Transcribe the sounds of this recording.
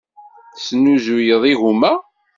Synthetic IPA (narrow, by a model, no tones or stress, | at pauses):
sənːuzujəðˤiɣumæ